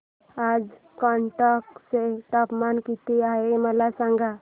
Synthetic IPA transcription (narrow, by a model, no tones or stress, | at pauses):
aːd͡ʒ | kaɳʈakseʈapmankit̪iaeməlasãŋɡʱa